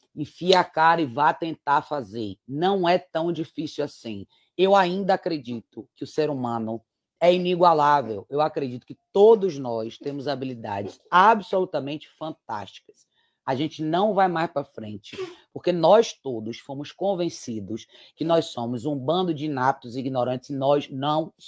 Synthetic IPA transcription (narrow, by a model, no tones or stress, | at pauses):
ĩfiakaɾɪvat̪ẽnt̪aɾfazeɾnɐ̃w̃ɛt̪ɐ̃w̃d͡ʒifisiwasĩ | ewaĩnd̪ɐakɾed͡ʒit̪ʊkɪʊseɾumɐ̃nʊ | ɛiniɡwalavewewakɾed͡ʒit̪ʊ̥kɪt̪od̪ʊznɔst̪ẽmʊzabilid̪a̰d͡ʒɪsabsolut̪ɐmẽnt͡ʃɪ̥fɐ̃nt̪a̰ʃt͡ʃi̥kɐ̥s | aʒẽnt͡ʃɪnɐ̃w̃vajmajspɾɐfɾḛ̃nt͡ʃɪ̥poɾkenɔjst̪od̪ʊsfõmʊskõvẽsid̪ʊs | kɪnɔjsõmʊzũbɐ̃nd̪ʊd͡ʒiinap̚t̪ʊziɡinoɾɐ̃nt͡ʃɪznɔznɐ̃w̃